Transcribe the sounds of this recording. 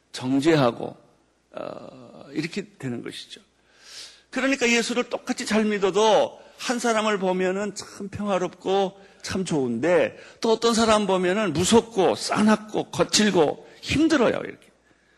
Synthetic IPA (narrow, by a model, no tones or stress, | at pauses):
t͡ɕʌŋd͡ʑeɦaɡo̰ | ʌ̰iɾʌkʰetwe̞nɯnɡʌɕʰi̥d͡ʑo | kɯɾʌɲik͈aje̞sʰuɾɯɭt͈ok͈at͡ɕʰit͡ɕaɭmidodohansʰaɾamɯɭpomjʌnɯnt͡ɕʰampʰjʌŋɦwaɾop̚k͈o | t͡ɕʰamt͡ɕounde̞t͈oʌt͈ʌns̬ʰaɾambomjʌnɯnmusʰok̚k͈os͈a̰nɦak̚k͈okʌt͡ɕʰiɭɡo̰ | çimdɯɾʌ̰jo̰ḭɾʌkʰe